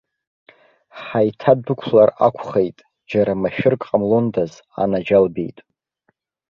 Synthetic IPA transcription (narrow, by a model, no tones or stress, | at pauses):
ħajtʰadukʷʰlara̰kʷʰχejtʼ | d͡ʒaɾamaʃᶣɪrkʼqʼamlondaz | a̰nad͡ʒalbḛjtʼ